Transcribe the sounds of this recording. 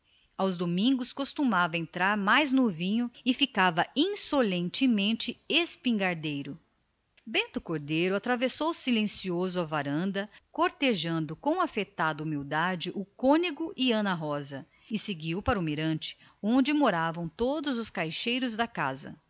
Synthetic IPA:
awzd̪omĩŋɡʊskost̪umavɐẽnt̪ɾaɾmajznʊvĩɲʊɪfikavɐĩsolẽnt͡ʃɪmẽnt͡ʃɪespĩŋɡaɾd̪ejɾʊ | bẽnt̪ʊkoɾd̪ejɾʊat̪ɾavesowsilẽsiozʊɐvaɾɐ̃nd̪ɐkoɾt̪eʒɐ̃nd̪ʊkõw̃afet̪ad̪ɐumiwd̪ad͡ʒɪʔʊkõniɡʊʔɪɐ̃nɐɦɔzɐ | ɪseɡiwpaɾɐumiɾɐ̃t͡ʃɪ̥ | õnd͡ʒɪmoɾavɐ̃w̃t̪od̪ʊzʊskajʃejɾʊzd̪ɐka̰zɐ̰

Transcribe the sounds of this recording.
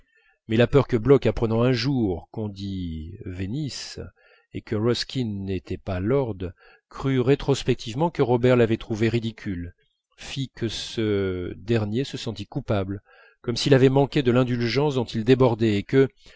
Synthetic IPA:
mɛlapœʁkəblɔkapχənɑ̃ɛ̃ʒuʁkɔ̃d̪ivenis | ekəʁɔskʲinːet̪ɛpalɔʁd̪ | kχyʁet̪χɔspɛk̚t̪ʰivmɑ̃kəʁɔbɛʁlavɛt̪χuveʁid̪ikʲyl | fikʰəsəd̪ɛʁnjesəsɑ̃t̪ikupabl | kɔmsilavɛmɑ̃kʲed̪əlɛ̃d̪ylʒɑ̃sd̪ɔ̃t̪ild̪ebɔʁd̪ɛːkə

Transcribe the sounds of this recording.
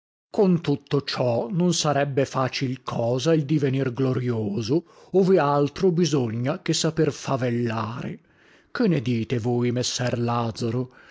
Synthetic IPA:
kont̪ut̪ːot͡ʃɔnonsaɾɛbːefaːt͡ʃilkʰɔːzaild̪ivenirɡloɾjoːzo | oːvealt̪ɾobizoɲːakesːaperfavelːaːɾḛ | k̟enːed̪iːt̪evoːjmesːɛrlaːd̪zaɾo

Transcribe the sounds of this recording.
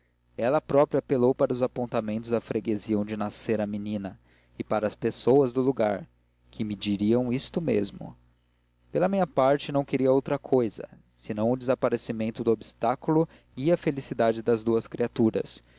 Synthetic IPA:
ɛlɐpɾɔpɾiapelowpaɾɐuzapõnt̪amẽnt̪ʊzɐfɾeɡeziɐõw̃d͡ʒɪnaseɾɐminĩnɐ | ɪpaɾɐːspesowɐzd̪ʊluɡaɾ | kʰɪmɪd͡ʒiɾiɐ̃w̃ist̪ʊmḛzmʊ̰ | pelɐmĩɲɐpaɾt͡ʃɪnɐ̃w̃keɾiɐowt̪ɾɐkʰojzɐ̰ | sɪnɐ̃w̃ʊd̪ɪzapaɾesimẽnt̪ʊd̪ʊobist̪akulʊ | iɐfelisid̪ad͡ʒɪd̪ɐzd̪uɐskɾiat̪uɾɐ̰s

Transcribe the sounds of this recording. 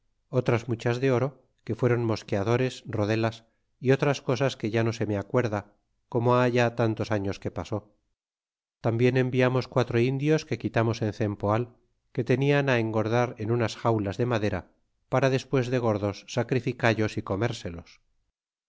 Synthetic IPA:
o̞t̪ɾazmut͡ʃazðe̞o̞ɾo | ke̞fwe̞ɾo̞nmo̞skeaðo̞ɾe̞sro̞ðe̞las | io̞t̪ɾasko̞saske̞ʝano̞se̞meakwe̞ɾða | ko̞moaʝat̪ant̪o̞saɲo̞ske̞paso̞ | t̪ambje̞ne̞mbiamo̞skwat̪ɾo̞ind̪jo̞ske̞kit̪amo̞se̞nθe̞mpoal | ke̞t̪e̞nianae̞ŋɡo̞ɾðaɾe̞nunasxawlazðe̞maðe̞ɾa | paɾaðe̞spwe̞zðe̞ɣ̞o̞ɾðo̞sːakɾifikaʎo̞siko̞me̞ɾse̞los

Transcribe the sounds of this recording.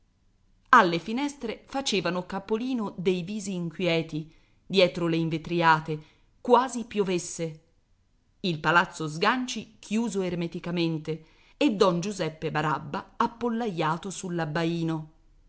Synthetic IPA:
alːefinɛst̪ɾefat͡ʃeːvanokapːoliːnod̪ejviːziːŋkwjɛːt̪i | d̪jɛːt̪ɾoleiɱvet̪ɾiaːt̪e | kwaːzipjovesːe | ilpalat̪sːozɡant͡ʃikʰjuːzoermet̪ikament̪e | ed̪ːɔnd͡ʒuzɛpːebaɾabːaːpːolːajːaːt̪osulːabːaiːno

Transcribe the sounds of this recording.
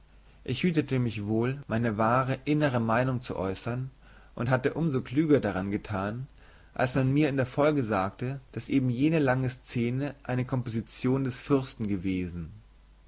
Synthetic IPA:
ʔɪçhyːtətəmɪçv̥oːlmaɪnəvaːʁəʔɪnəʁ̞əmaɪnʊŋt͡sṵʔɔ̰ʏsɐn | ʔʊnthatəʔʊmzokl̥yːɡɐdaʁ̞anɡətʰaːn | ʔa̰lsmanmiːɐɪndeːɐfɔlɡəzaːktəd̥asʔeːbm̩jeːnəlaŋəst͡seːnəʔaɪnəkʰɔmpozit͡sjoːndɛsfʏɐstn̩ɡəveːzn̩

